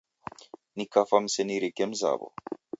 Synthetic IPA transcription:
nikafam̩sɛniɾikɛmza̰bɔ̰

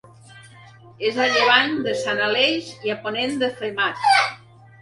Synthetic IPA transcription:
ezaʎeβaɲd̪əsanalejziaponend̪əfemat̪

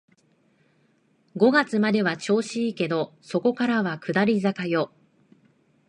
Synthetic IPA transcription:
ɡo̞ɡat͡sɨmad̪e̞βat͡ɕo̞ːɕiːke̞d̪o̞so̞ko̞kaɾaβakɯ̟d̪aɾʲizakajo̞

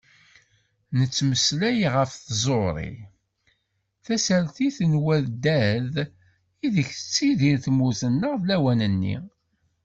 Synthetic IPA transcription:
nət͡sːməslæjʁəfθzˤoɾˤḭ | θæsæɾθiθənwæðd̪æð | iðəçθə̥t͡sːiðiɾθmuzənːəʁvlæwænənːḭ

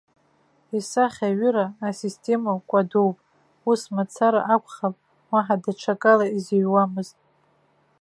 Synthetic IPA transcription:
isaχʲaɥʏɾaːsistʰe̞makʷʼadowpʼ | usmat͡sʰaɾa̰ʔakʷʰʼχapʼ | waħadaʈ͡ʂʰakʼalaiziɥwamɨztʼ

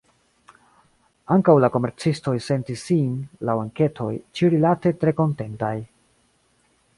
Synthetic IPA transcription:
aŋkawlako̞me̞ɾt͡sisto̞jse̞ntisːinlawaŋke̞tʰo̞̰jt͡ʃiɾilate̞tɾe̞ko̞nte̞ntaj

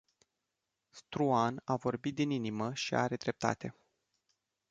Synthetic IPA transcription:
st̪ɾuanavo̞rbit̪̚d̪ininiməʃia̰ɾe̞d̪ɾe̞p̚t̪a̰t̪e̞

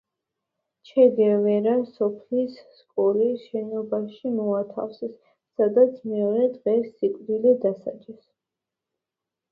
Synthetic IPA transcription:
t͡ʃʰɛd̪iavɛɾasɔpʰlisːkʼɔliʃɛnɔbaʃimɔat̪ʰa̰fsɛs | sad̪at̪sʰmɛɔɾɛd̪ʁɛsːikʼd̪ilid̪asa̰d͡ʒʼɛs

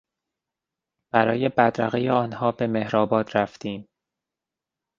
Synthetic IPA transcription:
b̥æɾɒːje̞bæd̪ɾæɣejeɒːnhɒːbe̞me̞hɾɒːbɒːt̪ɾæft̪iːm

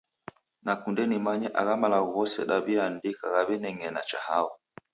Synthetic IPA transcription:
nakundɛnimaɲɛʔa̰ɣamalauɣɔsɛ̰ɗaβiandikaɣaβɛnɛŋɛnat͡ʃahaɔ

